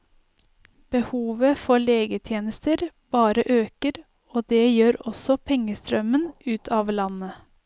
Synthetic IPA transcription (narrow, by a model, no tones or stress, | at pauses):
b̥əhuːʋəfɔɭeːɡət̪ʰjeːnəst̪əɾb̥ɑːɾəʔøːkəɾ | oːd̪eːjøːɾɔsɔpʰɛŋəst̪ɾœmənʉːt̪ʰɑːʋlɑnə